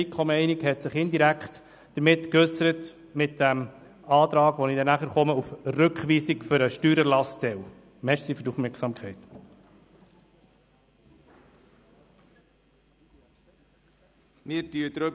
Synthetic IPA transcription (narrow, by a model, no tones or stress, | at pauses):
ikʰχɔməɛɪnɪkhɛtsɪχɪnd̪iɾækχt | d̥əɾmɪtkɵsəɾət | mɪt̚d̥æm | ɑːt̪ɾɑːɡʋɔnidɛnæχəɾχɔməufrɵkχʋiːsikfʏɾəʃtyːɾəlɑstɛw | mɛɾsifɵɾtufmɛɾksɑːmkʰχɛɪt | mɪːtyəd̪ɾø